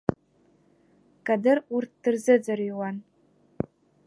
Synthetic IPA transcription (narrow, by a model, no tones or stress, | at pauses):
kʼadɨrurt̚ʰd̥ɨrzɨd͡zariwan